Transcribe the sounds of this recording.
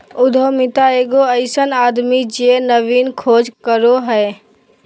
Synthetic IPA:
ʊd̪ʱomɪt̪aeːɡoəɪsənaːd̪mid͡ʒenəʋiːnkʰoːd͡ʒkəɾoɦɛː

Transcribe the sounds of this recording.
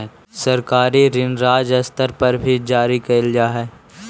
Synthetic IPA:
sɐɾkaːɾiɾɪnɾaːd͡ʒɐst̪əɾpɐɾbʱid͡ʒaːɾikɐld͡ʒaːɦɛː

